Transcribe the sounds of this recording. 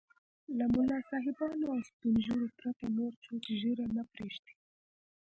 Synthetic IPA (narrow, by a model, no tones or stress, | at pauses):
lamʊlɑsɑɦɪbɑnoawst̪unʒuɾopɾat̪anoɾt͡ʃot̪ʒəɾanapɾeʃt̪e̥